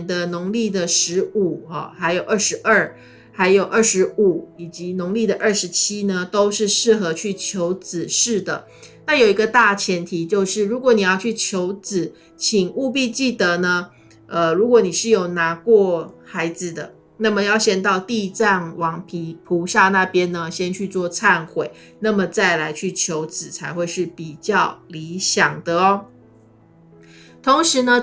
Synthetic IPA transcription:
nd̪ə˧nʊ˧˥ŋli˥˩d̪ə˩ʂɻ̩˧˥u˨˩xɔ̰˨˩xa˧˥ɪjo˨˩ʊʔə˥˩ʂɻ̩˧˥ʔə˥˩ | xa˧˥ɪjo˨˩ʊʔə˞˥˩ʂɻ̩˧˥u˨˩˦i˨˩t͡ɕi˧˥nʊ˧˥ŋli˥˩d̪ə˩ʔə˥˩ʂɻ̩˧˥t͡ɕʰi˥nə˨t̪o˥ʊʂɻ̩˥˧ʂɻ̩˥˩xɤ˧˦t͡ɕʰy˥˩t͡ɕʰjo˧˥ʊt͡sɹ̩˨˩ʂɻ̩˥˩d̪ə̰˩ | na˥˩jo˨˩i˧˥ɡə˧t̪a˥˩t͡ɕʰjɛ˧˥nt̪ʰi˨˥˦t͡ɕjo˥˧ʊʂɻ̩˥˩ɻu˧˥kwɔ˨˥˦ni˨˩jɑ˥˧ʊt͡ɕʰy˥˩t͡ɕʰjo˧˥ʊt͡sɹ̩˨˩ | t͡ɕʰi˨˩ŋu˥˧p̬i˥˧t͡ɕi˥˩t̪ə˧˦nə˦ | ə˨ɻu˧˥kwɔ˧˩ni˨˩ʂɻ̩˥˩jo˨˩ʊna˧˥kwɔ˥˩xa˧˥ɪd͡z̩˨d̪ə̰˩ | na˥˩mə˨jɑ˥˩ʊɕjɛ˥˧nt̪ɑ˥˧ʊt̪i˥˧t͡sa˥˩nwɑ˧˥ŋpʰi˧˥pʰu˧˥ɕja˥˧na˥˨pjɛ˥˦nnə˧ɕjɛ˥nt͡ɕʰy˥˧t͡swɔ˥˧t͡sʰa˥˧nxwe˨˩ɪna˥˩mə˩t͡sa˥˩ɪla˧˥ɪt͡ɕʰy˥˩t͡ɕʰjo˧˥ʊt͡sɹ̩˨˩t͡sʰa˧˥ɪxwe˥˧ɪʂɻ̩˥˩pi˨˩t͡ɕjɑ˥˩ʊli˧˦ɕjɑ˨˩ŋd̪ə˦ɔ˦ | t̪ʰo˧˥ŋʂɻ̩˧˦nə˧

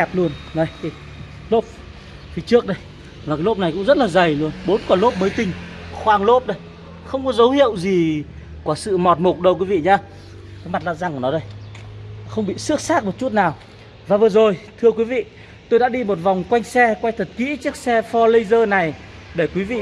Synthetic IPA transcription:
ɛ˨˩p̚lu˧ənnə˨˧˦ji˨ | lo˦˥p̚ | fi˨˦t͡ɕɨ˦˥ək̚ɗə˧j | vaː˨˩kːjlo˦˥p̚na˨˩jkʊ̰˧˥ŋ͡mzə˦˥t̚laː˨˩zə˨˩jlu˧ənɓo˨˦nkɔ˧˩lo˦˥p̚məː˨˦jt̪ï˧ŋ̟xwaː˧ŋlo˦˥p̚ɗə˧j | xə˧wŋ͡mkɔ˨˦zə˨˦whḭ˧˨əwzi˨˩ | kwaː˧˩sɨ̰˧˨mɔ˨˩t̚mo˨˩k̚ɗə˧wkwi˨˦vḭ˧˨ɲaː˧ | kaː˨˦jma˨˩t̚la̰˧˨zaː˧ŋkːnɔ˨˦ɗə˧j | xə˧wŋ͡mɓḭ˧˨sɨ˦˥ək̚saː˦˥k̚mo˨˩t̚t͡ɕu˦˥t̚naː˨˩w | vaː˨˩vɨ˨˩əzo˨˩jt̪ʰɨ˧əkwi˨˦vḭ˧˨ | t̪o˧jɗa̰ː˧˥ɗi˧mo˨˩t̚va˨˩wŋ͡mkwa˧jŋ̟sɛ˧kwa˧jt̪ʰə˨˩t̚kḭ˧˥t͡ɕɨ˦˥ək̚sɛ˧fɔ˧lə˧jzəː˧na˨˩j | ɗe˧˩kwi˨˦vḭ˧˨

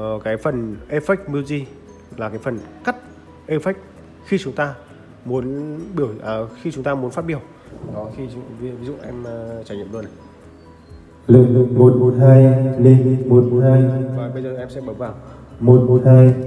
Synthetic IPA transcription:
kaː˨˦jfə˨˩nʔe˧fa˦˥k̚mi˧zi˧ | laː˨˩kaː˨˦jfə˨˩nka˦˥t̚ | ʔe˧fa˦˥k̚ | xi˧t͡ɕʊ˨˦ŋ͡mt̪aː˧ | mu˨˦ənɓi˧˩ə˩wʔəː˨˩xi˧t͡ɕʊ˨˦ŋ͡mt̪aː˧mu˨˦nfa˦t̚ɓi˧˩əw | ɗɔ˨˦xi˧˨˦vi˨˦zṵ˧˨ʔɛ˧m˨˩t͡ɕaː˧˩ɲḭ˧˨mɗo˧˩na˨˩j | lɨ˨k̚lɨ˨˩ŋmo˨˩t̚mo˨˩t̚haː˧jli˧ŋ˧mo˨˩t̚mo˨˩t̚haː˧jvaː˨˩ɓə˧jzəː˨˩˨ʔɛ˧msɛ̰˧˥ɓəː˨˧˦vaː˧˩w | mo˨˩t̚mo˨˩t̚haː˧j

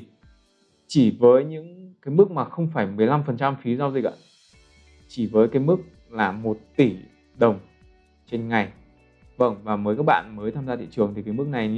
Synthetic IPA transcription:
t͡ɕi˧˩vəː˨˦jɲɨ̰˧˥ŋkaː˨˦jmɨ˦˥k̚maː˨˩xə˧wŋ͡mfaː˧˩jmɨ˨˩əjla˧mfə˨˩nt͡ɕa˧mfi˨˦za˧wzi˨˩k̚ʔa̰˧˨ | t͡ɕi˧˩vəː˨˦jkaː˨˦jmɨ˦˥k̚ | laː˨˩mo˨˩t̚t̪i˧˩ | ɗə˨˩wŋ͡m | t͡ɕe˧nŋa˨˩j | və˧˩nvaː˨˩məː˨˦jkaː˦˥k̚ɓa̰ː˧˨nməː˨˦jt̪ʰaː˧mzaː˧t̪ʰḭ˧˨t͡ɕɨ˨˩əŋt̪ʰi˨˩kaː˨˦mɨ˦˥k̚na˨˩j

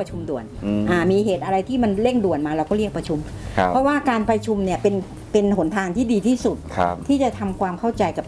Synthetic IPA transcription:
a˧t͡ɕʰu˧mdu˨˩ən˧ʔaː˧˩miː˧ɦeː˨˩t̪ʔa˧ɾa˧jt̪ʰiː˥˩ma˧nle˥˩ŋdu˨˩ənmaː˧ɾa˧wkɔː˥˩ɾi˥˩ək̚pɾa˧t͡ɕʰu˧mʰ˧ | pʰɾɔ˦˥waː˥˩kaː˧npɾa˧t͡ɕʰu˧mni˥˩ɐpe˧n | pe˧nɦo˩˦nt̪ʰaː˧ŋt̪ʰiː˥˩diː˧t̪ʰiː˥˩su˨˩t̪̚kʰa̰˧t̪ʰiː˥˩t͡ɕa˨˩t̪ʰa˧mkʰwaː˧mkʰa˥˩wt͡ɕa˧jka˨˩p̚

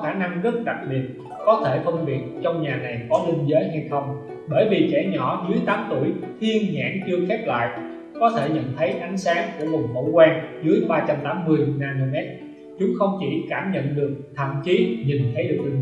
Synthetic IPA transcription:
xaː˧˩na˧ŋɣə˦˥t̚ɗa˨˩k̚ɓi˨˩ət̚ | kɔ˨˦t̪ʰe˧˩fə˧wŋ͡mɓi˨˩ət̚t͡ɕɔ˧wŋ͡mɲaː˨˩na˨˩jkɔ˨˦li˧ŋ̟zəː˨˦jɦa˧jxə˧wŋ͡m | ɓəː˧˩jvi˨˩t͡ɕɛ˧˩ɲɔ˧˩zɨ˨˦əjt̪aː˨˦mt̪u˧˩əjt̪ʰi˧ənɲa̰ː˧˩˥ŋt͡ɕɨ˧əxɛ˦˥t̚la̰ː˧˨jʔ | kɔ˨˦t̪ʰe˧˩ɲə̰˧˨nt̪ʰə˨˦jʔa˨˦jŋ̟saː˨˦ŋku˧˩əvʊ˨˩ŋ͡mmo̰˧˥˦wkwaɛː˧nzɨ˨˦əjɓaː˧t͡ɕa˧mt̪aː˨˦mːɨ˧əjnaː˧no˧mɛ˦˥t̚ | t͡ɕʊ˨˦ŋ͡mxə˧wŋ͡mt͡ɕi˧˩kaː˧˩mɲə̰˧˨nɗɨ˨˩ək̚t̪ʰə̰˧˩˨mt͡ɕi˨˦ɲi˨˩nt̪ʰə˨˦jɗɨ˨˩ək̚

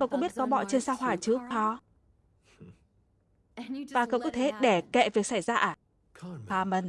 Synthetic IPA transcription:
kə˧wkṵ˧˥ŋ͡mɓi˦˥t̚kɔ˨˦ɓɔ̰˧˨t͡ɕe˧nsaː˧wɦwaː˨˩t͡ɕɨ˨˦əpʰɔ˧˩ | vaː˨˩kə˧wkɔ̰˧˥wt̪ʰe˨˦ɗe˧˩kḛ˧˨vi˨˩ək̚sa˧˩jzaː˧ʔaː˨˩ | aː˧mə˧˩n

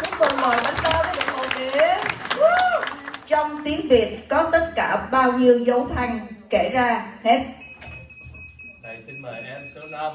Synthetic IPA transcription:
ɲʊ˨˧˥və̰˨˩məː˨˩jɗa˨˧˦t̪aː˧vəː˨˦jɗɨ˨˩mo̰˨˩jʔi˧˨˦ | t͡ɕɔ˧wŋ͡mt̪i˨˦əŋvi˨˩ət̚kɔ˨˦t̪ə˦˥t̚kaː˧˩ɓaː˧wɲi˧əwzə˨˦wt̪ʰa˧jŋ̟ke˧˩zaː˧hɛ˦˥t̚ | a˧˩si˧nmə˨˩ʔɛ˧msɨ˨˦˧

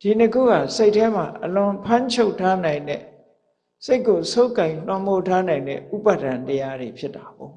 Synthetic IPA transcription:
d̥i˨nəkʰṵ˦˨ɡa̰˦˨se˦ɪʔtʰːɛ˦m̥a˨ʔəlʊ̃˨pʰã˦ɲt͡ɕʰo˦ʊʔtʰːa˦nã˨ɪ̃ndɛ̰˦˨ | se˦ɪkːo˨so˦ʊkã˨ɪ̃l̥wã˦˨mo˦˨tʰa˦nã˨ɪ̃ndɛ̰˦˨ʔu˦pa˦˨dã˨ntəja˦de˨pʰjɪ˦tːa˨bo˨

